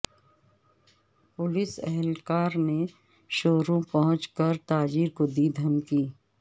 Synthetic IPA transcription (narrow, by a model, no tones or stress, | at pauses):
pʊlɪsɛɦɛlkaːɾne | ʃoːɾõpɐɦʊ̃t͡ʃkəɾt̪aːd͡ʒiːɾkod̪id̪ʱɐmkiː